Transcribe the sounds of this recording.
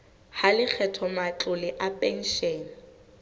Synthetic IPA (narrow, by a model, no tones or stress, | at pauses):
halɪk͡xʰɛtʰɔmat͡ɬʼʊlɪʔapʼɛn̩ʃɛːn̩